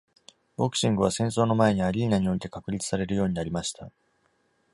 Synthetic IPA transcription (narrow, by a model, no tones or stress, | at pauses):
bo̞kɯ̥ɕĩŋɡɯ̟β̞asẽ̞ɰ̃so̞ːno̞mae̞ɲ̟iaɾʲiinaɲ̟io̞it̪e̞kakɯ̟ɾʲit͡sɨ̥saɾe̞ɾɯjo̞ːɲ̟inaɾʲimaɕi̥t̪a